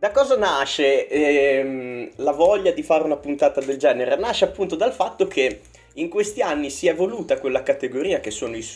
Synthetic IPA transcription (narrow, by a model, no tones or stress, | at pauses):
d̪akɔːzanaʃe | mlavɔʎːad̪ifaːɾeunapunt̪aːt̪ad̪eld͡ʒɛːneɾenaʃːeapːunt̪od̪alfat̪ːokʰe | iŋkwest̪ianːisiɛvoluːt̪akwelːakat̪eɡoɾiːak̟esːoːnois